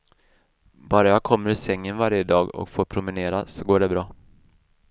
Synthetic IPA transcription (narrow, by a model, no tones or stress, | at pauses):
bɑːɾajɑkʰɔmːəɾɪsɛŋːənvaɾjəd̪ɑːɡɔ̰kfoːɾpʰɾʊmɪneːɾasɔɡoːɖɛbɾɑː